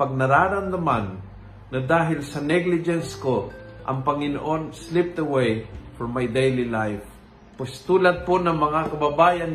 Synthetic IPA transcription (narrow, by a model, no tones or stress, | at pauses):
pɐɡ̚nɐɾaːɾamnɐmanː | ɐd̪aːɦɪlsɐnɛɡlɪd͡ʒɛnskoʔɐ̰ŋpɐŋɪno̰ʔonslɪp̚t̪əwejfɔɹmajd̪ejlilajf | pʊst̪uːlad̪̚ponɐŋmɐŋakɐbɐbaːjan